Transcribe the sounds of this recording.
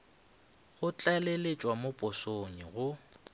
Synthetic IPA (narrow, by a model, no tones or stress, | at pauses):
ɣʊt͡ɬʼalelet͡ʃʼwamʊpʼʊsoɲiɣʊ